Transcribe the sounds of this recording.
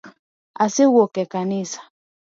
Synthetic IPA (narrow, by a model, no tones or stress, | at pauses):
asewɔkɛkanisḁ